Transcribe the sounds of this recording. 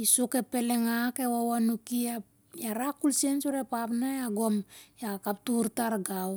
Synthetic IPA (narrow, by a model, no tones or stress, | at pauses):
isuke̞pe̞le̞ŋake̞wawanukia | jaɾakulsiensuɾepapnaeaɡo̞mjakap̚tuɾtaɾɡaw